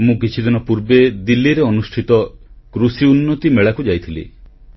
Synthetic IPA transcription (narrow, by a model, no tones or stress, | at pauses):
mũɡit͡ʃʰid̪inɔpuɾbed̪ilːiɾeɔnusʈʰit̪ɔkɾusiunːɔt̪imeɭakud͡ʒajt̪ʰilḭ